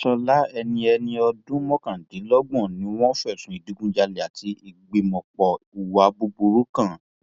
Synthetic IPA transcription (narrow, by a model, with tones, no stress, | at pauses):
ʃɔ˧la˦ɛ˧nĩ˧ɛ˧nĩ˧ɔ˧dũ˦mɔ̃˦kã˨di˨˦lɔ˦ɡ͡bɔ̃˦˨nĩ˨˦w̃ɔ̃˦fɛ˦˨sũ˨˦i˨di˨˦ɡũ˦d͡ʒa˧le˨a˨tʰi˨˦ʔi˧ɡ͡be˧mɔ̃˧k͡pɔ˧u˨wa˨˦bu˧bu˧ɾu˦kã˦˨